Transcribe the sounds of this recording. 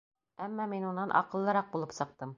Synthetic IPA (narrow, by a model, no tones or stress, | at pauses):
æmːɑminunːɑnʔɒ̰qɤ̆lˠːɤ̆ɾɑq̚bulˠɤpsɤ̆q̚t̪ɤm